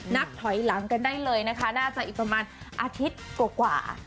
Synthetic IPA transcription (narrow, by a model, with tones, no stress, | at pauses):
na˦˥k̚t̪ʰɔ˨˩˦jla˩˦ŋka˧ndaː˥˩jlɤː˧jna˦˥kʰa˦˥naː˥˩t͡ɕa˨˩ʔiː˨˩pɾa˧maː˧nʔaː˧t̪ʰi˦˥t̪̚kwaː˨˩kwa̰ː˨˩